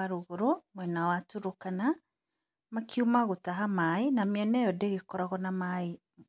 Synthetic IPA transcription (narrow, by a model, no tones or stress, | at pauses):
aɾoɣoɾomwɛnawatuɾokana | makʰiumaɣotaɦamaenamiɛnɛjɔdeɣekɔɾɔɣɔnamae